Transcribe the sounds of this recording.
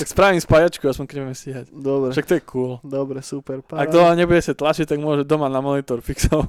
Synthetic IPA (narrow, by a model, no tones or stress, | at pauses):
t̪akspɾaːʋimspajat͡ʃkɔjaspɔŋkɲɛbɛɛmsiɦacd̪ɔbɾɛʃak̚t̪ɔjɛkʰuːld̪ɔbɾɛsupɛɾpaɡ̚d̪ɔaɲɛbuɟɛsat̪lat͡ʃict̪aɡmʊɔʒɛd̪ɔmanamɔnit̪ɔɾfiksɔʊ